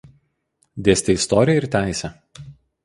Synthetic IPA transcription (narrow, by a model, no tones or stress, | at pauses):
d̪ʲeːsʲt̪ʲeɪst̪ɔːɾʲɪjɛɪɾt̪ʲæˑɪsʲɛ